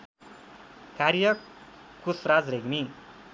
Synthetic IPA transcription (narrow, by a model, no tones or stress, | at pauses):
kaɾjʌ | kːusrad͡zreɡmi